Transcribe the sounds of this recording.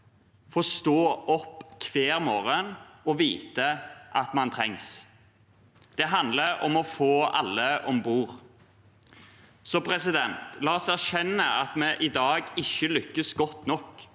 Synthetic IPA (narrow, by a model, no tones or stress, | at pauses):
fɔst̪oːɔpːkʰʋeːɾmoːɾənɔʋiːt̪əʔɑt̪mɑnt̪ʰɾɛŋs | d̪̥ɛɦɑnd̪ləɾɔ̰mɔfoːɑ̰lːəʔɔmbuːɾ | sɔpʰɾɛsɪd̪ɛnt̪lɑːɔsæʁʃɛnːəɑt̪mɛʔɪd̪ɑːɡɪçːəlʏkːəsɡɔt̪ːnɔk